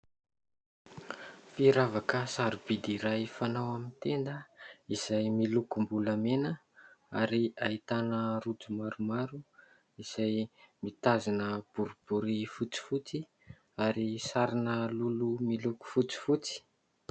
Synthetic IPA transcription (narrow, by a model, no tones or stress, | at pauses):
fiɾavakəsaɾub̥id̪iɾajfanawamint̪end̪əiz̥ajmilukumbulamenə | aɾiaɦit̪anərud͡zumaɾumaɾu | iz̥ajmit̪azinəb̥uɾub̥uɾifut͡si̥fut͡si | aɾisaɾinəlulumiluku̥fut͡si̥fut͡si̥